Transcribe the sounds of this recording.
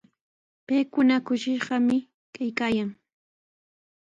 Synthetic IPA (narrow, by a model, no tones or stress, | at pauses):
pajkʊnakʊʃɪʃɢɑmɪ | kajkaːjaŋ